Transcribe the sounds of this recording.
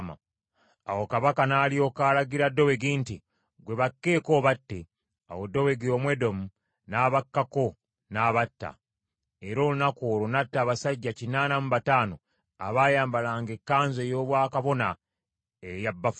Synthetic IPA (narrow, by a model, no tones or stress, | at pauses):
ma̰ | awokaβakanaːlijo̞ːkaːlaɡiɾadːo̞we̞ɡiːnti | ɡwe̞βakːe̞ːko̞ːβatːe | a̰wo̞dːo̞we̞ɡio̞mwe̞do̞mu | naːβakːako̞ | naβatːa̰ | e̞ɾo̞ːlunakoːlonatːaːβasaɟːacinaːnamuβataːno̞ | a̰βaːjaːmbalaːŋɡe̞kːaːnzo̞joːβwaːkaβo̞na | ejabːaf